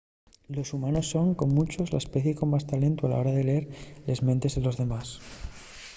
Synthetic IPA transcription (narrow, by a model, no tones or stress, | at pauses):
lo̞sumano̞sːo̞ŋko̞mːut͡ʃo̞zla̰espe̞θjeko̞mːast̪ale̞nt̪uala̰o̞ɾaðe̞leeɾle̞zment̪e̞zðelo̞zðe̞mas